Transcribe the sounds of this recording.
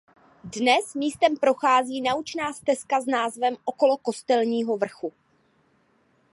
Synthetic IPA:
dnɛsmiːst̪ɛmpɾo̞xaːziːnaut͡ʃnaːst̪ɛskaznaːzvɛmʔo̞ko̞lo̞ko̞st̪ɛlɲiːɦo̞vr̩xu

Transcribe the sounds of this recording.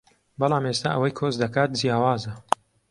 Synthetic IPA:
bɐlˠaːmeːst̪a̰ːʔəwɐjkʰoːzd̪ɐkaːt̪̚zjaːwaːzɐ

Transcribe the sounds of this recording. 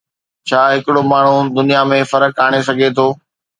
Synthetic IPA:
t͡ɕʰaːɦɪkɪɽomaːɳ̤ud̪ʊnijamẽfɐɾəkːaːɽ̃es̬ɐɡʱet̪ʰoː

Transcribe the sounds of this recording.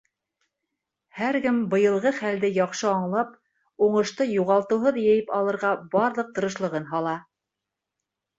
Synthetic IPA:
hæɾɡɘmbɤ̆jɤ̆lˠʁɤχæld̪ɘjɑχʃɤɑɴlˠɑp̚ | uɴɤ̆ʃt̪ɤjuʁɑlˠt̪ɤ̆wɦɤðjæjɘpɑlˠɤ̆ɾʁɑbɑɾlˠɤq̚t̪ɤ̆ɾɤ̆ʃlˠɤ̆ʁɤnɦɑlˠɑ

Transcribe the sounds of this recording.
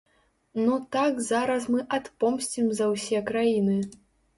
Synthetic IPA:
nut̪akzaɾɐs̬mɨʔat̪pɔmsʲt͡sʲimzɐwsʲɛkɾajinɨ

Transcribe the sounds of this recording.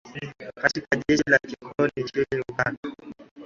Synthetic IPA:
katikaʄɛʃilakikʰɔnit͡ʃiniukana

